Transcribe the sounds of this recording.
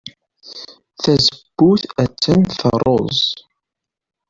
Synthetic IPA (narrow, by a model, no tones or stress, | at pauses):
θæzəb̥ːuθæt͡sːənθəɾˤozzˤ